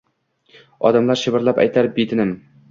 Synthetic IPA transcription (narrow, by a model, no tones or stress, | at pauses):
ɒ̰d̪amlˠaɾʃɪbɪɾlˠapæ̰jt̪ʰaɾp̚bet̪ʰɪnɪm